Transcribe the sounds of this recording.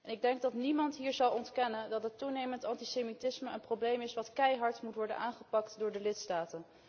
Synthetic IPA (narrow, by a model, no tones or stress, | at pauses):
ɛnɪɡ̚dɛŋɡ̚dɑtnimɑntɦiːɹzɑlˠɔntkɛnəndɑtɦətːunejməntɑntisemitɪsməənprowblejmɪsʋɑtkɛjɦɑɹtmutʋɔɹdə̰nʔaːnχəpɑktdʊːɹdəlɪtstaːtən